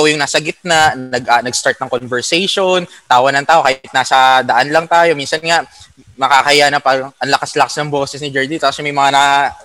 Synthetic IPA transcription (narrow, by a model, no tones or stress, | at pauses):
owjʊŋnaːsɐɡɪt̪̚nanɐɡanɐɡst̪aɹt̪̚nɐŋkonvɛɹsɛjʃont̪aːwɐnɐŋt̪aːʔo̞kahɪt̪̚naːsɐd̪ɐʔanlɐŋt̪aːjo̞minsɐnŋaʔ | mɐkaːkɐɪjanɐpɐɡʔɐnlɐkaslɐkasnɐŋboːsɛsnɪd͡ʒɛɹd̪it̪okːɐsɛmɐjmɐŋana